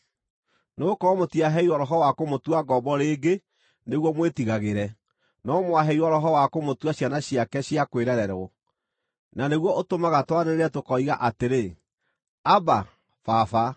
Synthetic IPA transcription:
neokɔmotiaɦɛiwɔɾɔɦɔwakomotwaɡɔbɔɾeːɡe | neɣwɔmwetiɣaɣeɾɛ | nɔmwaɦɛiwɔɾɔɦɔwakomotwaɕanaɕiakɛɕiakweɾɛɾɛɾɔ | naneɣwɔʔotomaɣatwaneɾeɾɛtokɔiɣaʔateɾe | aba | fafa

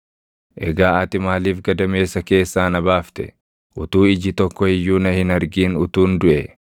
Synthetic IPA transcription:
ʔɛɡaːʔɐt̪ɪmaːliːfɡɐd̪ɐme̞ːsːɐke̞ːsːaːnɐbaːft̪ɛ | ʔʊt̪uːɪd͡ʒɪt̪ɔkːɔɪjːuːnɐhɪnɐɾɡiːnʊt̪uːnd̪ʊʔɛ

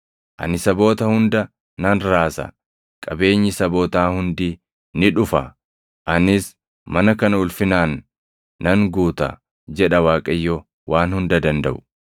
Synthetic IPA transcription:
ʔɐ̰nɪsɐbo̞ːt̪ɐhʊnd̪ɐ | nɐnɾaːsɐ̰ | kʼɐbe̞ːɲːɪsɐbo̞ːt̪aːhʊnd̪iː | nɪᶑʊfɐ | ʔɐnɪs | mɐnɐkɐnɐʊlfɪnaːnː | ɐŋɡuːt̪ɐ̰ | d͡ʒɛᶑɐwaːkʼɐjːɔ | waːnhʊnd̪ɐd̪ɐnd̪ɐʔʊ̥

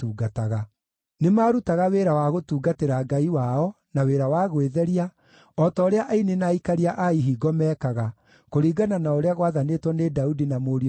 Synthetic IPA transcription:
tuːɡataɣa | nemaːɾutaɣaweːɾawaɣotuːɡateɾaɡaiwaɔ | naweɾawaːɣoweðɛɾia | ɔtɔoɾeaʔainenaikaɾiaʔaiɦiːɡɔmɛːkaɣa | koɾiːɡananaoɾeaɣowaðanetwɔnedaudinamoːɾi

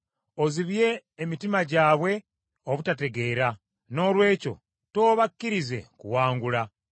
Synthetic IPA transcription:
oziβje̞ːmitimaɟaːβwe̞ | oβutate̞ɡe̞ːɾa | no̞ːlwe̞ːco̞̰ | to̞ːβakːiɾize̞̰kuwaːŋɡula

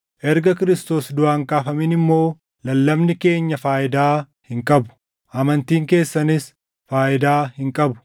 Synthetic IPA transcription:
ʔɛɾɡɐkɪɾɪst̪o̞ːsd̪ʊʔaːŋkaːfɐmiːnɪmːo̞ː | lɐlːɐbnɪke̞ːɲːɐfaːʔɪd̪aː | hɪŋkʼɐbʊ̥ | ʔɐmɐnt̪iːŋke̞ːsːɐnɪs | faːʔɪd̪aːhɪŋkʼɐbʊ̥

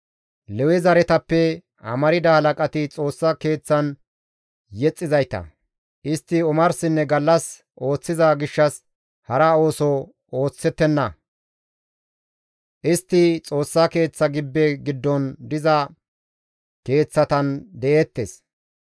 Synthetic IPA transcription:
lɛwɛzɐɾɛt̪ɐpːɛ | ɐ̰mɐɾɪd̪ɐhɐlɐkʼɐt̪ɪt͡sʼo̞ːsːɐke̞ːt͡sːɐn | jɛt͡sʼːɪzɐjt̪ɐ̰ | ʔɪst̪ːɪʊmɐɾsɪnːɛɡɐlːɐs | ʔo̞ːt͡sːɪzɐɡɪʃːɐs | hɐɾɐo̞ːsɔ | o̞ːt͡sːɛt̪ːɛnːɐ | ʔɪst̪ːɪt͡sʼo̞ːsːɐke̞ːt͡sːɐɡɪbːɛɡɪd̪ːɔnd̪ɪzɐ | ke̞ːt͡sːɐt̪ɐnd̪ɛʔeːt̪ːes

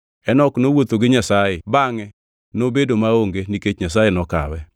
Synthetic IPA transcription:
ɛnɔknowot̪oɡɪɲasajebaŋɛ | nobedomaoŋɡeniket͡ʃɲas̬ajenɔka̰wɛ

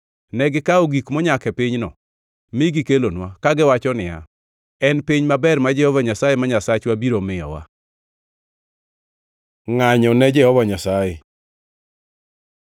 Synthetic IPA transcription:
nɛɡɪkaoɡikmɔɲakɛpɪɲnɔ̰ | mɪɡɪkelonwakaɡɪwat͡ʃɔnɪa̰ | ɛnpɪɲmabɛrmad͡ʒɛhɔvaɲasajɛmaɲasat͡ʃwabiɾomɪjɔ̰wa̰ | ŋaɲɔnɛd͡ʒɛhɔvaɲasajɛ

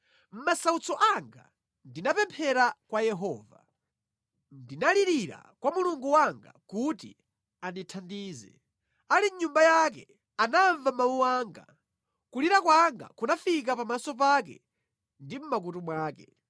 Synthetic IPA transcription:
m̩masaut͡sɔʔaŋɡa̰ | ndinapɛmpʰɛɾakwajɛɦɔːva | ndinaliɾiɾa̰kwamuluŋɡuwaŋɡa̰kutḭ | anitʰandiːzɛ̰ | aliɲumbajakɛ̰ | anaːɱvamawuwaːŋɡa̰ | kuliɾakwaŋɡa̰kunafik̬apamasɔp̬ak̬ɛ̰ | ndim̩mak̬utumwaːkɛ

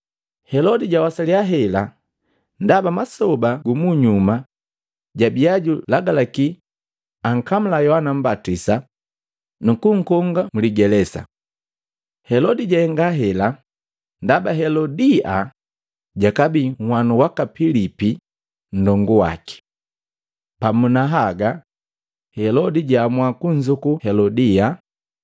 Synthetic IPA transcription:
hɛlɔdiɟawasaliaɦɛla | ndabamasɔbaɡumuɲuma | ɟabiaɟulaɡalaki | aŋ̩kamulajɔhanam̩batisa | nukuŋ̩kɔŋɡamuliɡɛlɛsa̰ | hɛlɔdiɟaɛŋɡaɦɛla | ndabaɦɛlɔdia | ɟakabiŋwanuwakapilipi | n̩dɔŋɡuwa̰ki̥ | pamunaɦaɡa | hɛlɔdiɟamwakuɲzukuhɛlɔdia

